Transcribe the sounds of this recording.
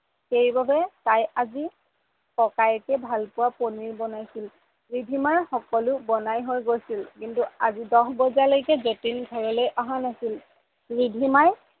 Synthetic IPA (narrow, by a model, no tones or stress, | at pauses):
xeɹibabɛtajazi | kɔkajɛkɛbʱalpʊwaponiɹbɔnajsil | ɹibʱimaɹxɔkɔlʊbɔnajɦojɡojsilkintuazidɔxbɔzalojkɛzotinɡʱɔɹɔlojʔaɦanasil | ɹidʱimaj